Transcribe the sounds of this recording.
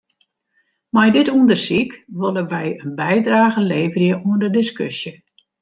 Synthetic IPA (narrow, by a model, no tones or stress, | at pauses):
mɛjdɪtuəndərsikʋolˠəʋɛjənbɛjdraːɣəleːvərjəʔuəndədɪskʏsjə